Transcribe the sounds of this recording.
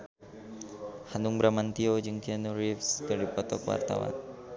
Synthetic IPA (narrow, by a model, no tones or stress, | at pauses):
hanuŋbɾamant̪iod͡ʒɨŋt̪ianuɾifsdaɾipɔt̪ɔkwa̰rt̪a̰wa̰n